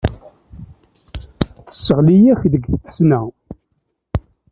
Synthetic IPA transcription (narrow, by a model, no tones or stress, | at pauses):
θə̥sːəʁlijæçðəɡθθə̥snæ